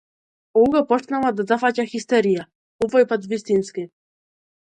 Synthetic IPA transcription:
ɔwɡapɔʂnawad̪ɔd̪afat͡ɕaxʲist̪ɛɾija | uvɔjpad̪vist̪inskʲɪ

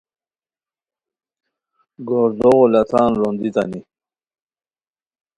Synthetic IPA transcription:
ɡoɾd̪oʁolɐt̪ʰɑːnɾond̪it̪ani

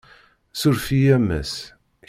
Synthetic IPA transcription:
sʊɾfijæmːæ̰s

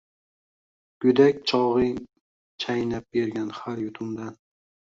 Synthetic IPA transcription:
ɡ̥ʊd̪akʲt͡ʃʰɒʁɨ | t͡ʃʰajnap̚beɾɡʲanhaɾjʊt̪ʰʊmd̪an

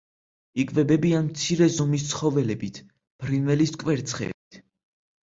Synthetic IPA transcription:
ikʼvɛbɛbianmt̪sʰiɾɛzɔmis̬t̪sχɔvɛlɛbit̪ʰ | b̥ɾinvɛliskʼvɛɾt̪sʰχɛ̰bit̪ʰ

